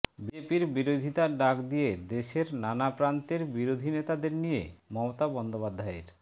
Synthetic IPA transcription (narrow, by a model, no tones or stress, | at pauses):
bid͡ʑepiɾbiɾod̪ʱit̪aɖakd̪ijed̪eʃeɾnanapɾant̪eɾbiɾod̪ʱinet̪ad̪eɾnijḛmɔmot̪abɔnd̪opad̪ʱːaḛɾ